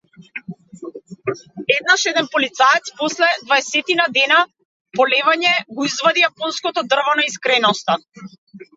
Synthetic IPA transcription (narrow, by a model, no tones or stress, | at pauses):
ɛd̪naʃɛd̪ɛnpɔlit̪saɛt̪spɔslɛd̪vaɛsɛt̪inad̪ɛna | pɔlɛvaɲɛɡɔizvad̪ijapɔnskɔt̪ɔd̪r̩vɔnaiskɾɛnɔst̪a